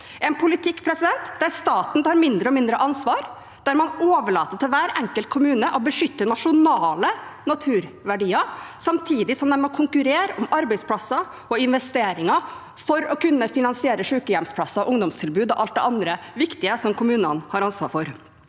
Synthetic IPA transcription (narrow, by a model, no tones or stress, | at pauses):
ɛnpʰʊlɪt̪ʰɪkːpʰɾɛsɪd̪ɛnt̪d̪æɾst̪ɑːt̪n̩t̪ʰɑːɾmɪnd̪ɾəɔmɪnd̪ɾəʔɑnsʋɑːɾ | d̪æɾmɑnoːʋəɭɑːt̪ət̪ʰɪlʋæːɾɛŋkəlt̪̚kʰʊmʉːnəʔɔbəʂʏt̪ːənɑʂʊnɑːlənɑt̪ʰʉːɾʋæɖiːɑsɑmt̪ʰiːd̪ɪsɔmd̪ɛmɔkʰʊŋkʉɾeːɾɔmɑɾbɛɪspʰlɑsɑ | ɔɪnʋɛst̪eːɾɪŋɑ | fɔɾɔkʉnːəfɪnɑnsɪeːɾəʂʉːkəjɛmspʰlɑsɑʔʊŋd̪ɔmst̪ʰɪlbʉːd̪ɔʔɑlt̪̚d̪ɛ̰ɑnd̪ɾəʋɪkt̪ɪəsɔmkʰʊmʉːnənhɑɾɑnsʋɑ̰ːɾfɔɾ